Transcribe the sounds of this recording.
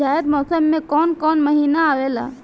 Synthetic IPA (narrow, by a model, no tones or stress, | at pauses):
aet̪mɔsəmːekɔːnkɔnməɦinaːʋela̰